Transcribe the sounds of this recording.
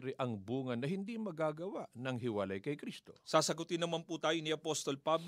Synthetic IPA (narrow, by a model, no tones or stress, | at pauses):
ɾɛʔɐŋbuːŋɐnːɐɦɪnd̪imɐɡaːɡɐwaʔnɐŋɦɪwɐlajkɐjkɾist̪o̞̰saːsɐɡʊt̪ɪnːɐmanput̪aːjoniʔɐpost̪o̞lpab